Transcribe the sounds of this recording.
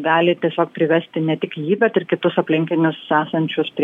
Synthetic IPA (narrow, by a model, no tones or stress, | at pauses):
ɡɑːlʲɪt̪ʲiɛsʲoːk̚pʲɾʲɪʋʲɛsʲt̪ʲɪnʲɛt̪ʲɪkjiːbʲɛt̪ɪɾkʲɪt̪ʊsɐpʲlʲɪŋʲkʲɪnʲʊsæːsɐnʲt͡ʃʲʊspʲɾʲ